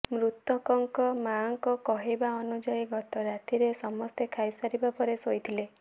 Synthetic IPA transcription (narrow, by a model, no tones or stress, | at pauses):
mɾut̪ɔkɔŋkɔmaŋkɔkɔɦebaɔnud͡ʒajiɡɔt̪ɔɾat̪ʰiɾesɔmɔst̪ekʰajsaɾibapɔɾesojt̪ʰile